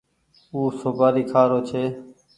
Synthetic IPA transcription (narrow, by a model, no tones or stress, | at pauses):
uːsoːbaːɾiːkʰaːɾoːt͡ʃʰeː